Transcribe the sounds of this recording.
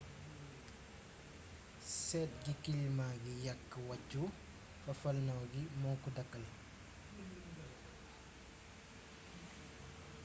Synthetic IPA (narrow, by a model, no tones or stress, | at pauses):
sɛːt̚ɡikilmaɡijɐkːwɐcːu | fɐfɐlnɐwɡimɔwkudɐkːɐl